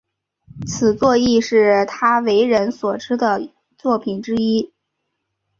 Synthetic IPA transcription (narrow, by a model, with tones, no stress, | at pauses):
t͡s̩ʰ˨˩t͡swɔ˥˧i˥˧ʂɻ̩˥˩t̪ʰa˥we˧˥ɪɻə˧˥nswɔ˨˩ʈ͡ʂɻ̩˥d̪ə˨ | t͡swɔ˥˩pʰi˨˩nʈ͡ʂɻ̩˥i˥